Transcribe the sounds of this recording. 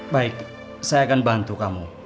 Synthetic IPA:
baɪk | sajaːkanbant̪ukamu

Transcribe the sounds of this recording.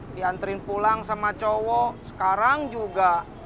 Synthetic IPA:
diant̪əɾɪnpulaŋsamat͡ʃɔwɔsə̥kaɾaŋd͡ʒuɡa

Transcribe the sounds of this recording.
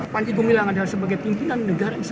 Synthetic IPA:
paɲd͡ʒiɡumilaŋadalasəbaɡajpimpinanːəɡaɾans

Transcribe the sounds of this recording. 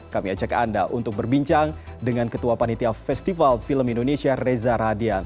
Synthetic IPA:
kamiat͡ʃakandaʔṵnt̪ʊk̚bərbiɲt͡ʃaŋdəŋankət̪uapanit̪iafɛst̪ifalfiləmindonesiarezaɾadian

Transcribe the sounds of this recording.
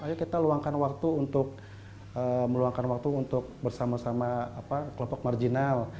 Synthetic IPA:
ajakit̪aluaŋkanwak̚t̪uːnt̪ʊk̚ | əməluaŋkanwak̚t̪uːnt̪ʊk̚bərsamasamaːpakəlɔmpɔk̚mard͡ʒinal

